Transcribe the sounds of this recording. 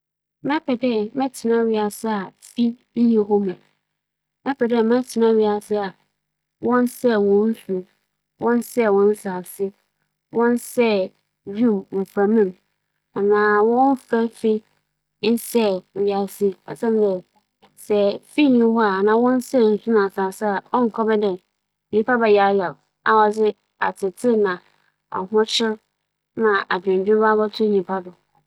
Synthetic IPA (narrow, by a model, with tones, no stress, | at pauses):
mɛ̃˦pʰɛ˨dɛ˦mɛ̃˦tʰɪ˨nã˦ɥɪ˦a˨sɪ˦a˨fi˦ | ɲĩ˦ɦɔ˦mɛ̃˨ | mɛ̃˦pʰɛ˨dɛ˦mɛ̃˦tʰɪ˨nã˦ɥi˦a˨sɪ˦a˨ | wɔ̃˦nsɛ˦wɔ̃˨n̩˦su˨ | wʔɔ̃˦n˦sɛ˦˨wɔ̃˨n̩˦sa˨fsɪ˦ | wɔ̃˦nsɛ˦˨ | d͡ʑᶣu˦˨m̩˨fɾã˨mĩ˦˨m | a˨nãː˨wɔ̃˦n˦fɛ˦fɪ˦ | n̩˦sɛ˦˨ja˨sɪ˦a˨sã˦m˦dɛ˨ | sɛ˨fi˦˨ɲĩ˨˦wɔ˦a˨nãː˨˦wɔ̃˦n˦sɛ˦˨n̩˨su˦nã˨sa˨sa˦˨ɔ˦ŋ̩˨kʰɔ˦bɛ˦dɛ˨ | ɲĩ˨pa˦ba˨ja˨˦jɛ˨l | a˨wɔ˨d͡zɪ˦ | a̰˨tʰɪ˨tʰɪ˦nã˨ | ɔ̰˨ɦʊ̃˦t͡ɕʰɪ˦ɾ | nã˨ʔa˨d͡ʑᶣɪ̃˨d͡ʑᶣɪ̃˦ba˦bɔ˦tʰʊ˦ɲĩ˨pʰa˦dʊ˨